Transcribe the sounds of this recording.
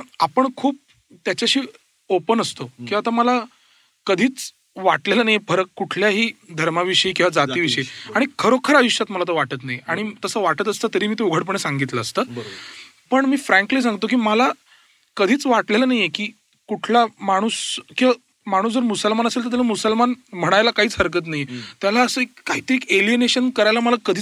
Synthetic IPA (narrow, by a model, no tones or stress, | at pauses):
əapəɳkʰuːp̚ | t̪jat͡ɕaɕiː | opənəst̪okĩat̪aməla | kəd̪ʱiːt͡s | ʋaʈleləːnajepʰəɾəkuʈʰljaɦiːd̪ʱəɾmaʋiʂəjikĩw̃ʋad͡zat̪iːʋiɕʂəiaɽ̃ikʰəɾokʰəɾajuʂjat̪məlat̪oʋaʈət̪̬najaɽ̃it̪əsəːʋaʈət̪əst̪ət̪əɾiːmiːt̪euɡʱəɽpəɳ̃esãŋɡit̪ləːst̪əː | pəɳmiːfɾæ̃ŋkliːs̬ãŋɡt̪ok̬iːməla | kəd̪ʱiːt͡sʋaʈlelənaɦjekiː | kuʈʰlamaɽ̃uːskĩa | maɽ̃uːsd͡zəɾmusəlmanəselt̪əɾt̪̬alamusəlmanm̤əɽ̃ajlakaɦiːt͡sɦəɾkət̪̬najet̪jalaəsəekːaɦit̪əɾiːekelijəneɕənkəɾajlaməlakəd̪ʱiː